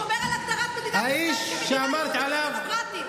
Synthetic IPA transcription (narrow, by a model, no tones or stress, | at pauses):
haiʃʃeamaɾˤt̪ʕalav